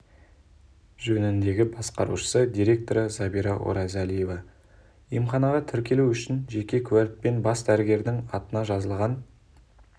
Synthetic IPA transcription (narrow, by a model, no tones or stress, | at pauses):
ʒɵnɪnd̪e̞ɡʲɪbɑsqɑɾuʃə̥səd̪ʲijɾʲe̞k̚t̪o̞ɾəzɑbiɾɑʔo̰ɾɑzælije̞vɑ | ijəmχɑnɑʁɑt̪ʰɪɾkʲe̞luwʏʃɪnʒe̞kʲe̞kʲʰʉwælt̚pːe̞nbɑsd̪æɾɪɡʲe̞ɾd̪ɪŋɑt̪ənɑʒɑzəlˠʁɑn